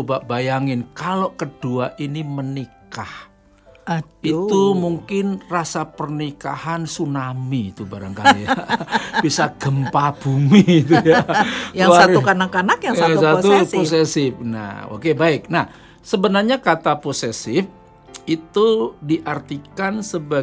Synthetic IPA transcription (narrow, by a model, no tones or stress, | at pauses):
baʔbajaŋɪnkaloʔkəduaʔinimənikah | it̪umuŋkɪnrasapərnikahansunamit̪ubaɾaŋkaliab̥isaʔɡ̥əmpab̥umit̪ujajaŋasaukanakanakjaŋasat̪uosesɪfna̰o̰kebaɪk̚nah | səbənarɲakat̪aposesɪf | it̪udiʔart̪ikansəba